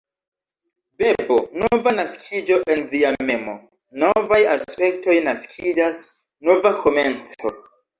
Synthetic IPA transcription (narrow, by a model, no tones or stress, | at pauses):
be̞bonovanaskʰid͡ʒo̞ʔe̞nviame̞mo̰ | no̞vajaspe̞kto̞jnaskʰid͡ʒas | no̞vakʰo̞me̞nt͡so̞̰